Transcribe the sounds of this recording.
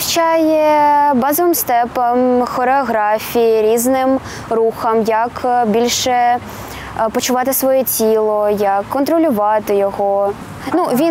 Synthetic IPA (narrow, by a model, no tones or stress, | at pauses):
t͡ʃɑjebɑzɔʋɪmst̪ɛpɐmxɔɾeɔɣɾɑfʲijiɾʲiznɪm | ruxɐmjɐkbʲilʲʃɛ | pɔt͡ʃʊʋɑt̪ɪsʋɔjɛtʲilˠɔjɐkːɔnt̪ɾɔlʲʊʋɑt̪ɪjɔɦɔ | nuʋʲi